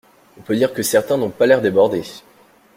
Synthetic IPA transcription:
ɔ̃pød̪iʁkəsɛʁt̪ɛ̃nɔ̃palɛʁd̪ebɔʁd̪e

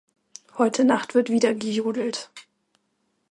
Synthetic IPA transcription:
hɔʏtʰənaχtv̥ɪɐtv̥iːdɐɡəjuːdl̩t

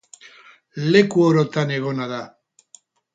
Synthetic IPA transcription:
le̞kuoɾot̪ane̞ɣ̞o̞naða

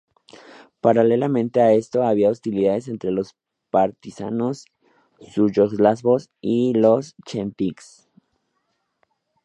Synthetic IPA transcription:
paɾale̞lamẽ̞nt̪e̞ae̞st̪o̞aβiaost̪iliðaðe̞s̬e̞nt̪ɾe̞lo̞s | paɾt̪isa̰nosː | uʝoxlasβos | ilo̞st͡ʃempiks

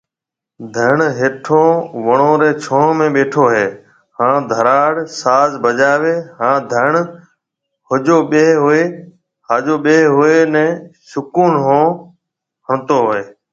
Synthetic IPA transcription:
d̪ʱəɳɦeːʈʰoːʋəɳõːɾeːt͡ʃʰõːmẽːɓeːʈʰoːɦeː | hãːd̪ʱəɾaːɽsaːzbəd͡ʒaːʋeːɦãːd̪ʱəɳ | ɦʊd͡ʒoːɓeːɦʊeː | haːd͡ʒoːɓeːɦʊeːnɛ̃ːsʊkuːnɦõː | həɳt̪oːɦʊeː

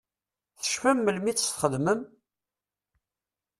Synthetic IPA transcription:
θə̥ʃfəmːəlmit͡sːə̥st̪χəðməm

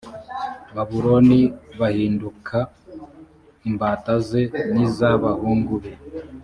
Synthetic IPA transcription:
βaβuɾo̞niβahiːndukʰa | imbaːtaze̞nizaβahuːŋɡuβe

